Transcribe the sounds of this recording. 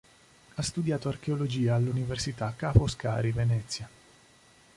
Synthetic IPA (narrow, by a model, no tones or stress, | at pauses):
ast̪ud̪jaːt̪oark̟eolod͡ʒiːaːlːuniversit̪akːafoska̰ːɾivenɛt̪sːja